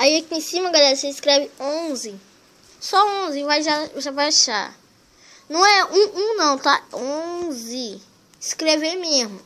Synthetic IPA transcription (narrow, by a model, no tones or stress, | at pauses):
aiakiẽsĩmɐɡalɛɾɐseiskɾɛvɪõzɪ | sɔõzɪvajʒaʒavajaʃa̰ | nɐ̃w̃ɛũũnɐ̃w̃t̪aõzɪ | iskɾevemezmʊ